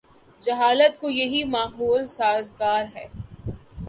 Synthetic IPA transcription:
d͡ʒɐɦaːlət̪kojɐɦimaːɦoːlsaːzɡaːɾɦɛː

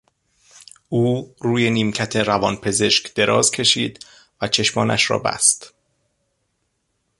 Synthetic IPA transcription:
ʔuːruːje̞niːmcʰæt̪ʰe̞ɾævɒːnpʰe̞ze̞ʃkd̪̥e̞ɾʔɒːzcʰe̞ʃiːd̪ | væt͡ʃʰe̞ʃmɒːnæ̰ʃɾɒ̰ːbæ̰st̪

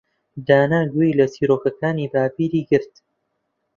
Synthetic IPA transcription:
d̪aːnaːɡuilɐsiːɾoːkɐkaːniːbaːpiːɾiːɡɨɾt̪

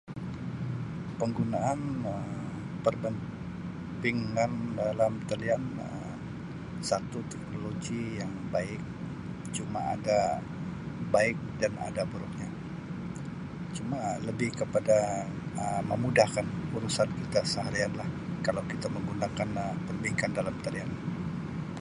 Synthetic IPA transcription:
pəŋɡunaʔanə | pərbən | biŋandalamt̪əlianə | sat̪ut̪ɛk̚noloɡijaŋbaɪk̚ | t͡ʃuma̰a̰da | baɪk̚dana̰dabəɾuk̚ɲa | t͡ʃumaləbɪhkəpadaəməmudahkanuɾusankit̪asəɦaɾianlahkalawkit̪aməŋɡunakanəpərbiŋkandalamt̪alian

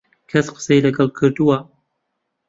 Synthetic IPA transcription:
kʰɐsqə̥sejlɨɡɐlˠkʰɨɾd̪uwa

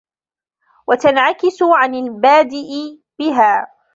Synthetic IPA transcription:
wʔat̪anʕakɪsʊʕanalbaːd̪ɪʔɪ | b̥ɪɦaː

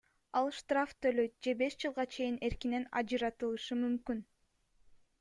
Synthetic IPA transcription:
ɑlˠʃt̪raft̪ʰø̞løj̪̚d͡ʒe̞be̞ʃd͡ʒɯlˠʁɑt͡ʃʰe̞jine̞ɾkine̞nɑ̰d͡ʒɯɾɑt̪ɯlˠɯʃɯmymkyn

